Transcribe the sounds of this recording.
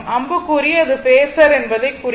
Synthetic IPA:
ʔɐmbɯkːuːɾɪɐðɯpeːsɐɾɛnbɐðɐɪkːuːɾ

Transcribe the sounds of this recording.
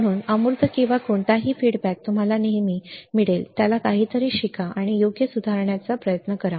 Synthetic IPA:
ɽ̤̃uːnəmuɾt̪əkĩw̃ʋakoɳʈ̪aɦiːfiɽbæk̚t̪um̤alaneɦmiːmiɭelt̪jalakaɦiːt̪əɾiːɕikaʔaɽ̃ijoɡjəsud̪ʱaɾɳjat͡sapɾəjət̪nəkəɾa

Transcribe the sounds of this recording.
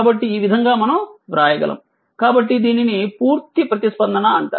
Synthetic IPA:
bɐʈːiːʋid̪ʱɐŋɡaːmɐnɐmʋɾaːjɐɡɐ̰lʔɐ̰m | kaːbɐʈ̬ːid̪iːninipuːɾt̪ipɾɐt̪ispɐnd̪ʱɐnɐɐɳʈa̰ː

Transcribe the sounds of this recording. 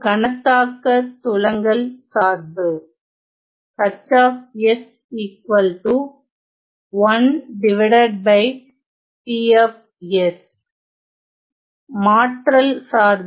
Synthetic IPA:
ɡɐnɐt̪ːaːkːɐt̪ʊɭɐŋɡɐlsaːɾd̪ɯ | kɐt͡ʃːaːfɛs | iːkʋɐlʈu | ʋɐnɖɪʋɪɽɐɖ̚bɐɪ | piɛf | ɛs | maːʈɾɐlsaːɾd̪

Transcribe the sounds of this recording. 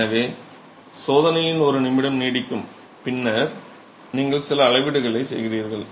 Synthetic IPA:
nɐʋeː | soːðɐnɐjɪnɔɾɯnɪmɪɽɐmniːɽɪkːɯm | pɪnːɐɾ | niːŋɡɐɭsɪlɐːɭɐɪʋɪɽɯɣɐɭɐɪsɛ̰jɣɪɾiːɾɣɐɭ

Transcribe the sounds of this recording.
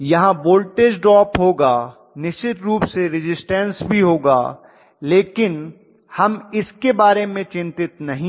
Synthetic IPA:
jɐɦãboːlʈeːd͡ʒɖɾɔːpɦoːɡaː | nɪʃt͡ʃɪt̪ɾuːpseɾɪd͡ʒɪsʈɛ̃ːnsbʱiɦoːɡaː | leːkɪn | hɐmɪskebaːɾemẽt͡ʃɪ̃nt̪ɪt̪nɐɦĩ

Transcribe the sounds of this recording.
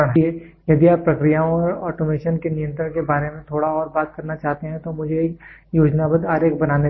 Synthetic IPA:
əɳɦe | jɐd̪iaːpːɾɐkɾijaːõɔːɾɔːʈomeːʃənkenɪjə̃nt̪ɾəɾkebaːɾemẽt̪ʰoːɽaɔːɾbaːt̪̚kɐɾnat͡ʃaːɦt̪eɦɛ̃t̪omʊd͡ʒʱek | joːd͡ʒnabəd̪ɦaːɾeːk̚bɐnaːne

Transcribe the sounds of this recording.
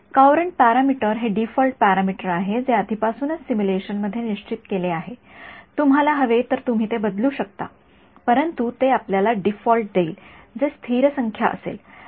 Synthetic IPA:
kawɾəɳʈ̚paɾamiʈəɾɦeɖifɔlʈ̚pæɾamiʈəɾaɦed͡zead̪ʱipasuːnət͡ssimuleɕənməd̪ʱːjeniɕt͡ɕit̪keleaɦe | t̪umɦalaɦəʋet̪əɾt̪um̤iːt̪ebəd̪luːɕək̚t̪a̰ | pəɾənt̪ut̪eapljalaɖifɔlʈ̚d̪eiːld͡zest̪ʰiɾəsəŋkʰja̰ʔə̰sḛl

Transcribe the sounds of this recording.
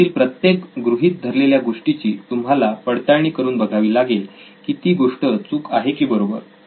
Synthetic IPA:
iːlpɾət̪jekɡɾuɦiːt̪̚d̪ʱəɾleljaɡoʂʈit͡ɕiːt̪umɦalapəɽt̪aɾɳ̃iːkəɾuːnbəɡʱaʋiːlaɡel | kit̪iːɡoʂʈət͡suːkaɦekiːbəɾobə̰ɾ

